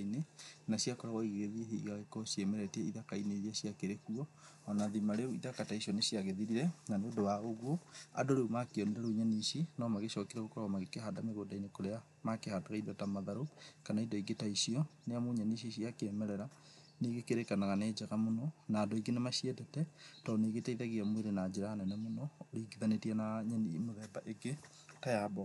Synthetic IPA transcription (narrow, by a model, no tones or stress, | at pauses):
inenasijakɔɾaɣɔiɡeɣeðieɦeiɣaɣekosiɛmɛɾɛtɛiðakaineɾiasiakeɾekuɔ | ɔnaðimaɾeuiðakataiʃiɔnesiaɣeðiɾiɾɛnaneodowaoɣwoa̰doɾeumakeɔniɾɛɾoiɲaniʃinɔmaɣeʃɔkiɾaɣokɔɾaɣɔmaɣekeɦadameɣoːdainekoɾea | makehadaɣaiðotamaðaɾokanaidoiɡetaiʃiɔneamoɲaniʃiʃiakeɛmɛɾɛɾa | neːɡekeɾekanaɣaneːd͡ʒaɣamonɔnaːdoiɡenemaʃiɛtɛtɛtɔneɣetaiðaɣiamweɾenad͡ʒeɾaanɛnamonɔːɾiɡiðanetianaɲanimoðɛbaʔeɡe | tajabɔ